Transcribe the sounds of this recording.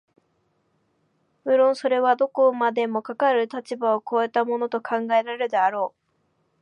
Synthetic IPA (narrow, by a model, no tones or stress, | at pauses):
ɯ̟ɾõ̞ɰ̃so̞ɾe̞βad̪o̞ko̞mad̪e̞mo̞kakaɾɯ̟t̪at͡ɕibao̞koːet̪amo̞no̞t̪o̞kʰãŋɡae̞ɾaeɾɯ̟d̪eaɾo̞ː